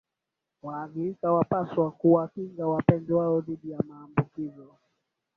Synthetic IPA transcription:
waːðiɾikawapaswakuwakiŋɡawapɛndɛwaɔðiɗijamaːmbukizɔ

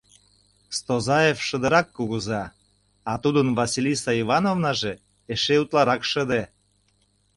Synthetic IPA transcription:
st̪ozɑjefʃə̆d̪əɾɑkːuɣuzɑ | ɑt̪ud̪ənvɑsilʲisɑivɑnovnɑʒe | eʃeut̪lɑɾɑkʃəd̪e

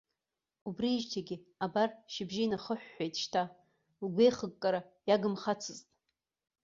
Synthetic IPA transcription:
ubriːʒtʰaɡʲiabarʃɪbʒinaχəħʷːejtʼʃtʰa | lɡʷejχəɡ̚ʼkʼaɾajaɡɨmχat͡sʰɨztʼ

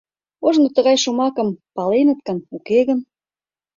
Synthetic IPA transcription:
oʒnot̪əɣɑjʃumɑkə̆mpɑlenə̆t̪̚kə̆nukeɣən

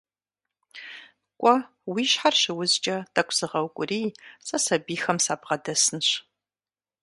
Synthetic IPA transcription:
kʷʼɔ | wiːɕħarɕɪwʊzt͡ʃʼɐtʰɐkʷʰʼzɨʁɐwkʷʼʊriːsʼɐsɐbiːxɐmsaːbʁɐdɐsɨnɕ

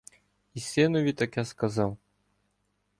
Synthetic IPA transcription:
isʲɛnuvʲit̪akjaskazaw

